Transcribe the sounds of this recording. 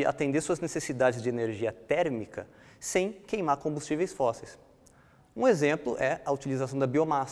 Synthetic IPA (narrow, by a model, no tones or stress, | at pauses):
ɪa̰t̪ẽnd̪eɾsuɐznesesid̪ad͡ʒɪzd͡ʒɪeneɾʒiɐt̪ɛɾmikɐ̰ | sẽj̃kejmaɾkõmbust͡ʃivejsfɔsejs | ũezẽmplʊ̰ʔɛɐut͡ʃilizasɐ̃w̃d̪ɐbiomas